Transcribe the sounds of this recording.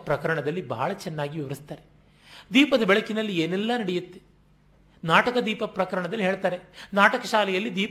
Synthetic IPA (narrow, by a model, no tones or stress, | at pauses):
pɾɐkɐɾɐɳɐd̪ɐlːibɐ̰ːɐɭɐt͡ʃɛnːaːɡiʋiʋɐɾist̪aːɾe | d̪iːpɐd̪ɐbɛɭɐkinɐlːieːnɛlːɐnɐɽɛjut̪ːe | naːʈɐkɐd̪iːpɐpɾɐkɐɾɐɳɐd̪ɐlːiɦe̞ːɭt̪aːɾe̞naːʈɐkɐʃaːlɛjɐlːid̪iːp